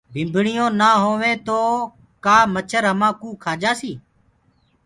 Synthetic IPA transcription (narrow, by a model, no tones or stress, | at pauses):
bʱɪmbʱɳɪjõːnaːɦoːʋẽːt̪oː | kaːmət͡ʃʰəɾɦəmãːkũːkʰaːd͡ʒaːsiː